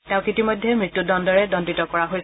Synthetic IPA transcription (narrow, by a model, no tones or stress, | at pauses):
tɛ̃ʊ̃kitimojdʱːɛmɹitːudɔndɔɹɛdɔntitɔkɔɹaɦojs